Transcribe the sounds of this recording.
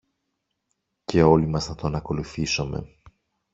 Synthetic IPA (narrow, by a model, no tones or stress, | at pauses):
ce̞o̞limɐsnɐt̪oɐnɐko̞luθisome̞̰